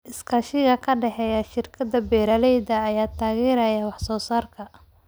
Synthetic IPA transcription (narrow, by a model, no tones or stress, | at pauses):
ʔɪskʰɐʃɪɣɐkʰɐɖɛħɛjɐʃɪrkʰɐd̪ɐbɛːɾɐlɛjd̪ɐːjaːt̪ʰaːɣiːɾɐjɐwɑħsɔːsaːrkʰɐ